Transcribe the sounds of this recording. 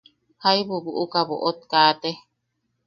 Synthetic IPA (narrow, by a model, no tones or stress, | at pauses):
hajβuβuʔukaβo̰ʔot̪̚kaːt̪e